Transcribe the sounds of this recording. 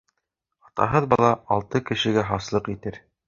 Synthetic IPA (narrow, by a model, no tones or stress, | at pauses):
ɑt̪ɑ̰ɦɤðbɑlˠɑɑlˠt̪ɤkɘ̆ʃɘ̆ɡæɦɑslˠɤqit̪ɘɾ